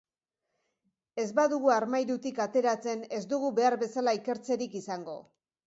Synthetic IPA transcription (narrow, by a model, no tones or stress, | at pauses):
e̞zbaðuɣuaɾmajɾut̪ikat̪e̞ɾat͡se̞ne̞zd̪uɣ̞uβe̞aɾbe̞salaike̞ɾt͡se̞ɾikisaŋɡo̞̰